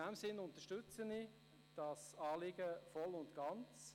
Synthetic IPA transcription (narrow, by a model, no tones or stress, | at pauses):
ɛmsɪnʊntəʃtʉt͡səni | d̥ɑsɑːlɪɡəfɔlʊntɡ̥ɑnt͡s